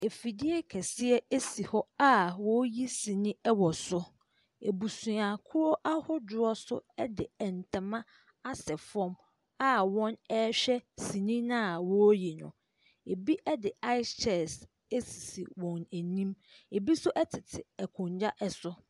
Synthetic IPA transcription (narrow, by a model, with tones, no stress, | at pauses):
e˨fi˨dɪ˦ɛ˦kʰɛ˨sɪ˦ɛ˦e˦si˨hɔ˦a˦wɔ˦ji˦sĩ˨nĩ˦ɛ˦wɔ˨sʊ˦ | ḛ˨bu˨sũ˨a˨kʰʊ˦ɾɔ˦ʔa˦hʊ˦dʊ˨ɔ˦sʊ̰˦ɛ˦dɪ˨ɛ˨n̩˨tʰã˨mã˦ | a˦sɛ˨fɔ̃˦m | a˦wɔ̃˦nɛ˦ɕᶣɛ˦si˨nĩ˦nã˦˨wɔ˦ji˨nʊ̰̃˨ | e˨bi˦ʔɛ˦dɪ˨a˦ɪ˦t͡ʃʰɛ˨s | e˦si̥˨si˨wɔ̃˨næ˨nĩ˦m | e˨bi˦sʊ˦ʔɛ˦tʰɪ˨tʰɪ˨ɛ˨kʰʊ̃˨ɲd͡ʑa˦ʔɛ˨sʊ˦